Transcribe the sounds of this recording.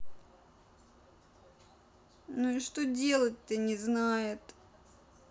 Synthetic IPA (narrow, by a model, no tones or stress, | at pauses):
nuɪʂt̪odʲe̞lˠət̚ʲt̪ɨnʲɪznajɪt̪